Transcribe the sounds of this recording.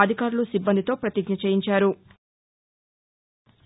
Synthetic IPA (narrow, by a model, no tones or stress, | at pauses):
ɐd̪ʱikaːɾulusibːɐnd̪it̪o̞ːpɾɐt̪iɡɲɐt͡ʃeːjiɲt͡ʃaːɾu